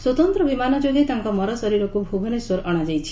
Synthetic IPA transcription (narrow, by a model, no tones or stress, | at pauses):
swɔt̪ɔnt̪ɾɔbimanɔd͡ʒoɡet̪aŋkɔmɔɾɔsɔɾiɾɔkubʱuɡʱɔneswɔɾɔɽ̃ad͡ʒajt͡ʃʰi̥